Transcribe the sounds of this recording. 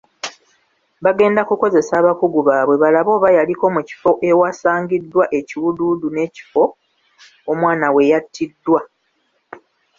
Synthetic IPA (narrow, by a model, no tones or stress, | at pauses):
βaɡe̞ːndakuko̞ze̞saːβakuɡuβaːβwe̞βalaβo̞ːβajaliko̞muci̥fo̞ʔewasaːŋɡidːwaʔe̞ciwududune̞ːci̥fo̞ | oːmwaːnawe̞jatʰːidːwa